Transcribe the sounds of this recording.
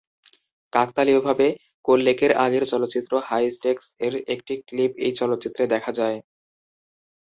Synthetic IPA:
kak̚t̪aliobʱabe | kolːekeɾaɡeɾt͡ɕɔlot̪ːɕit̪ːɾohajsʈekseɾek̚ʈiklipejt͡ɕɔlot̪ːɕit̪ːɾed̪ɛkʰad͡ʑae

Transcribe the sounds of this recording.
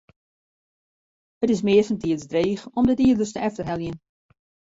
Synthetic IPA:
ətɪsmɪəsəntiəzdreːxɔmdətiədərstəʔɛftərɦɛlˠjən

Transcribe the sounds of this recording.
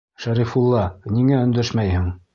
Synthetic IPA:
ʃæɾifulˠːɑniŋæɵ̆nd̪æʃmæjhɘŋ

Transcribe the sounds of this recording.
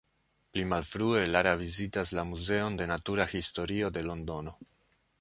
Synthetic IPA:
plimalfɾue̞laɾavizitaslamuze̞o̞nde̞natuɾahisto̞ɾio̞de̞lo̞ndo̞no̞

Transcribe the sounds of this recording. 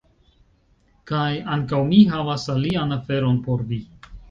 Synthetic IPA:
kajaŋkawmiɦavasalianafe̞ɾo̞npo̞ɾvi

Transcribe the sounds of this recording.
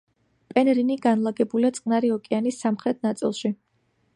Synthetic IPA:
pʼɛnɾiniɡanlˠaɡɛbuliat̪sʼqʼnaɾiɔkʼɛanisːamχɾɛt̪̚ʰnat̪sʼḭlˠʃi

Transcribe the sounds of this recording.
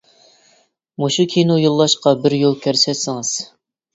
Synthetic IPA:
moʃukʲʰinojolˠːɑʃqɑbɪɾjolˠkʲʰæɾsɛsɪŋɨz̥

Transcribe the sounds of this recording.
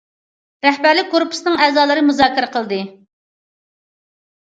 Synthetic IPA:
ɾɛhbæɾlɪk̚ʲɡoɾpʰu̥snɨŋɛːzɑːlˠɨɾɨmuzɑːkʲiɾɛqʰəlˠd̪ɨ

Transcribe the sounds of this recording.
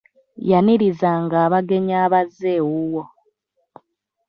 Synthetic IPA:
janiɾizaːŋɡaːβaɡe̞ɲaːβazːeːwuwo

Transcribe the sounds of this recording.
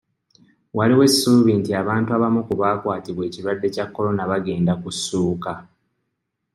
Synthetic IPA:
waliwe̞sːuβintiaβaːntuaβamukuβaːkwaːtiβwe̞ːciɾwadːe̞cakːo̞lo̞naβaɡe̞ːndakusːuːka

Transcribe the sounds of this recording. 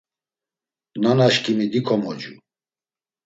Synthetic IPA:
nanaʃkʼimid̪ikʰɔmɔd͡ʒu

